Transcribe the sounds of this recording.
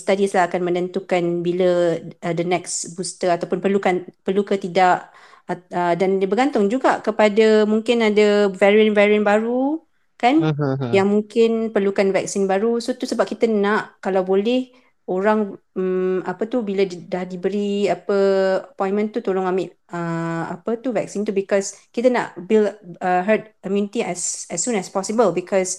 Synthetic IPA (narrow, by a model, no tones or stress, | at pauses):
st̪adislahakanmə̃nənt̪ukanbiləədənɛksbust̪əat̪awpʊnpərlukanpərlukət̪idaʔ | ədandəbəɡant̪ʊŋd͡ʒuɡaʔkəpadəmuŋkɪnadəvɛɾiənvɛɾiənbaɾu | kanjaŋmuŋkɪnpərlukanvɛk̚sinbaɾusot̪usəbap̚kit̪ənaʔkalawbolɛh | oɾaŋ | apət̪ubiladahdibəɾiapəəpɔ̃j̃nmə̃nt̪ut̪oɾʊŋamɪʔ | əa̰pət̪uvɛk̚sint̪ubikɔskit̪ənã̰ʔbiləɦət̪̚kɔmjunit̪iɛsɛsːũnɛspɔsibəlbikʰɔs